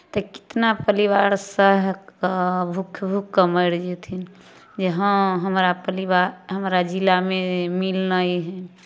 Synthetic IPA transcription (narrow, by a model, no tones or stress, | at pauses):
t̪əki̥t̪napəliʋaɾsəɦ | bʱukʰbʱukːəməɪɾd͡ʒɛt̪ʰin | d͡ʒeɦə̃ɦəmɾapəliʋaɾɦəmɾad͡ʒilamemilnəjɦɛ